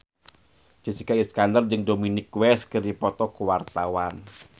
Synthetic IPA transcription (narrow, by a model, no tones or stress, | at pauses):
d͡ʒ̥isikaiskandərd͡ʒɨŋdominɪkwɛskəɾipɔt̪ɔkuwart̪awan